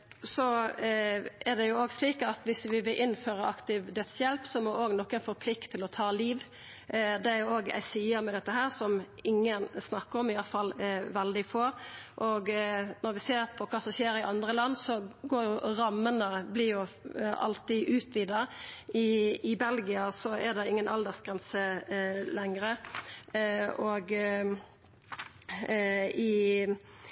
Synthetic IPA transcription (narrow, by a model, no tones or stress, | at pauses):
sɔ | ɛɾd̪ɛjʊoːɡsliːkɑt̪ʋɪsʋɪʋɪlʔɪnːføːɾɑʔɑkt̪ɪʋd̪œt̪sjɛlpsɔmɔʔoːɡnɔkːɛnfɔɾpʰlɪkt̪ʰːɪlɔt̪ʰɑːliːʋ | d̪ɛæɾjʊoːɡæ̰ɪsiːəmɛd̪ɛt̪ːəɦæːɾsɔmɪŋːənsnɑkːəɾɔmɪjɑfɑlʋɛld̪ɪfoːɾʔɔɡnɔɾʋɪseːɾpʰɔkʰɑːsɔmɕeːɾɪʔɑnd̪ʁəlɑnːsɔɡoːjʊɾɑmːənəblɪjʊɑ̰lt̪ɪʔʉːt̪ʋiːd̪ɑɪɪbɛlɡɪɑsɔɛd̪ɛɪŋːənɑld̪ɛsɡ̥ʁɛnsəlɛŋɾə | oːɡ | ɪ